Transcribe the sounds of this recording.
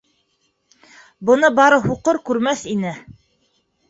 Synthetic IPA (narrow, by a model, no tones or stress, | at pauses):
bɤ̆nɤbɑɾɤhuqɤɾkʉɾmæθinɘ